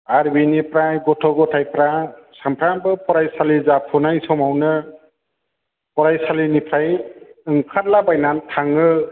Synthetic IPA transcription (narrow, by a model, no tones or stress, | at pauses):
aɾbinipɾajɡɔtʰɔɡɔtʰajpɾasampʰɾabɯpɔɾajsalizapʰɔnajsɔmawnɯ | pɔɾajsalinipʰɾajɯŋkʰatlabajnantʰaŋɯ